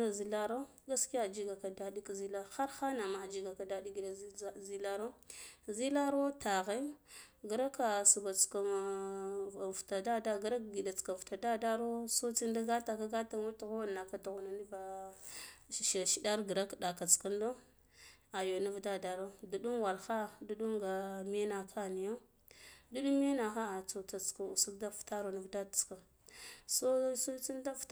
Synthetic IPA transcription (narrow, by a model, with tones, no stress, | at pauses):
a˦zi˦la˦ɾo˦ | ɡa˦ski˦ja˦˨d͡ʒi˦ɡa˨ka˨da˦di˦kzi˦la˦ɾxa˦ɾxa˦na˨ma˨d͡ʒi˦ɡa˨ka˨da˦di˦ɡi˨da˨˦zi˦la˦ɾo˦zi˦la˦ɾo˦ta˨ɣe˦ɡə˨ɾa˦ka˨su˨ba˨t͡ska˨ | vta˨da˦da˦ɡa˦ɾa˦kɡi˨da˨t͡ska˨vta˨da˦da˦ɾo˦so˦t͡si˦n˦da˦ɡa˦ta˨ka˦ɡa˦ta˦mu˦ti˨ɣo˦˨nːa˨ka˦tu˨ɣu˨na˨ni˦va˨ | ʃʃi˨da˦ɾɡə˨ɾa˦kda˨ka˨t͡ska˦ndo˦ | a˨jo˨na˦vda˦da˨ɾo˦du˨ɗu˦mwa˨lxa˦du˦ɗu˦mɡa˨me˦na˨kʰa˦˨ni˨jo˦ | du˦ɗu˦mːe˦na˨xa˦a˨t͡so˨t͡sa˨t͡ska˨su˦da˦fta˦ɾo˨na˦vda˦da˨t͡ska˨ | so˦so˦t͡si˦nda˦f